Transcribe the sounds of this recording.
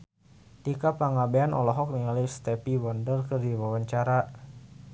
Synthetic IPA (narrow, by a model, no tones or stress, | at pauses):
t̪ikapaŋabeanʔɔ̰lɔɦɔk̚nialist̪ɛpiwɔndərkərdiwawaɲt͡ʃaɾa